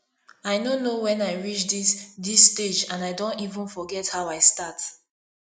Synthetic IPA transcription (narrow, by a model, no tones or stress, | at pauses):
aɪnonowɛ̃naɪɹit͡ʃdisdisted͡ʒãnaɪdõntivə̃nfɔɡɛthaʊaɪstat